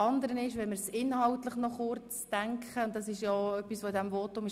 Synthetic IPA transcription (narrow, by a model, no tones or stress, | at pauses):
ɑnd̪əɾənɪʃʋɛməɾsɪnhɑltləχnɔχʊɾt͡sd̥æŋkχəʊnt̚d̥ɑsɪʃjɔœpːisʋoɪdæmvɔtʊmɪʃ